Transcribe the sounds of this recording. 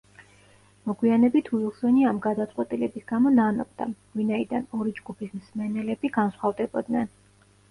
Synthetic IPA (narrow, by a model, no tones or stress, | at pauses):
mɔɡwianɛbit̪ʰuilˠsɛniamɡad̪at̪sʼqʼwɛt̪ʼilɛbisɡ̥amɔnanɔ̰b̚d̪a̰ | vinaid̪anɔɾid͡ʒɡupʰismsmɛnɛlɛbiɡansχwavd̪ɛbɔd̪nɛn